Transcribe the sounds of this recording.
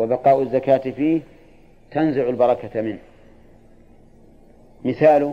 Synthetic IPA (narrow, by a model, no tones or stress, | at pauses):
wabɑqɑːʔazːakaːt̪fiːh | t̪anzaʕʊlbɑɾˤɑkat̪mɪnh | mɪθaːlʊ